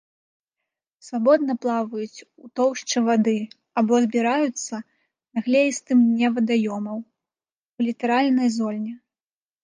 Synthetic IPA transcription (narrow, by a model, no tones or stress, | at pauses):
svabɔd̪̚nɐplˠavɐjut͡sʲut̪ɔwʂt͡ʂɨvad̪ɨ | abɔzbʲiɾajut̪sːɐ | naɣlʲɛjist̪ɨmnʲɛvɐd̪ajɔmɐw | wulʲit̪ɛɾalʲnɐjzɔlʲnʲɛ